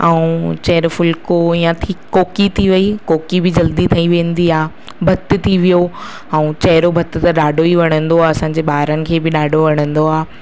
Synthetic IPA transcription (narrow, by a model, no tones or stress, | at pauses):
ɛũt͡ɕɐɾfʊlkoijãt̪ʰikoːkit̪ʰiʋɐikoːkibɪd͡ʑɐld̪it̪ʰɐĩʋẽːnd̪iaː | bʱɐt̪ɪ̆t̪ʰiʋijo | ɛ̃ũt͡ɕɐɦɪɾobʱɐt̪ɪ̆t̪ɐɗaːɖʱoiʋɐɽ̤̃ə̃nd̪oaːɐsãːɲ̆d͡ʑeːɓaːɦɾənɪ̆kʰeːbɪɗaːɖʱoʋɐɽ̤̃ə̃nd̪oaː